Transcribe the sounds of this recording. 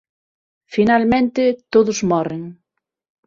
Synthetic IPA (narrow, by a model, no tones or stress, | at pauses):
finalmẽnt̪ɪt̪oðʊzmɔreŋ